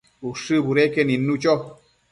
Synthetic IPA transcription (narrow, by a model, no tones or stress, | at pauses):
uʂɨbuɾekeninːut͡ʃɔ